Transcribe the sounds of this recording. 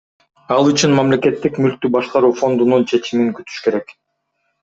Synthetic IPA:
ɑlˠyt͡ʃynmamle̞ke̞t̪ːikmylk̚t̪ybɑʃqɑɾuːfo̞nd̪ununt͡ʃʰe̞t͡ʃimiŋkyt̪y̥ʃke̞ɾe̞k

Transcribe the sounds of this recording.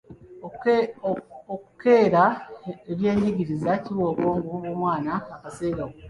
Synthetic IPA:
okukʰe̞ːɾaeβje̞ːɲiɟiɾizaciβo̞ːkoːŋɡuwomwaːnaːkase̞ːɡawo

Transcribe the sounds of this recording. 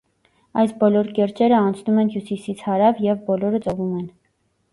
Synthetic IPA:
ɑjsbɔlɔɾkɛɾt͡ʃɛɾəɑnt͡sʰnumɛnɦjusisit͡sʰhɑɾɑvjɛvbɔlɔɾət͡sɔvumɛn

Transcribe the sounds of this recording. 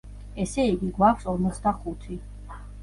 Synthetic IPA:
ɛsɛiɡiɡwakʰfsɔɾmɔt̪sʰd̪aχut̪ʰi

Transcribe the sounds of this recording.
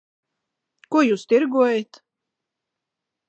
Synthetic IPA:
kuɔjuːst̪iɾɡuɔjat̪

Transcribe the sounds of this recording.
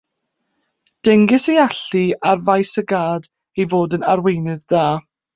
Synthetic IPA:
d̥ɛŋɡɪsejaɬiarvajsəɡaːd | ejvoːdənarwejnɨðdaː

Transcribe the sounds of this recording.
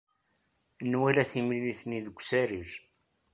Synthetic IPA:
nwælæθimliliθniðəɡʷːsæɾiɾ

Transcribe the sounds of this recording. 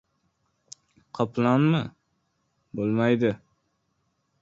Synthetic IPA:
qʰɑpʰlˠanmɪ | bolˠmajd̪ɪ

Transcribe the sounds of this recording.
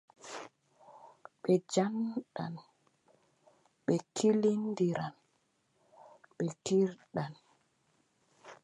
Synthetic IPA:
ɓɛd͡ʒanɗa̰n | ɓɛkʰilindiɾan | ɓɛkiɾɗan

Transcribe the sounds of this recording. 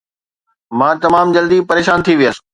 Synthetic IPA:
mãːt̪ɐmaːmd͡ʑɐld̪ipɐɾeːʃaːnt̪ʰiʋijəs

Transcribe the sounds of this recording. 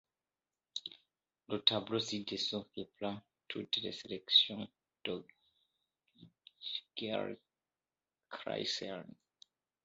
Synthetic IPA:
lət̪ablosid̪esɔ̃feplã | tʰut̪lḛselɛksjɔ̃ | d̥ɔɡ | ɡ̥ɛ̰ʁ | kɾa̰jsɛ̰n

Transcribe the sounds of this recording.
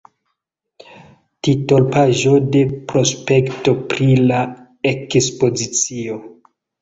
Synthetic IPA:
tito̞lpaʒo̞de̞pɾo̞spe̞kto̞pɾila | ekspo̞zit͡sio

